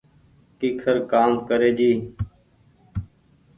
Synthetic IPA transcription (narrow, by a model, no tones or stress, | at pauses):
kiːkʰəɾkaːmkəɾeːd͡ʒiː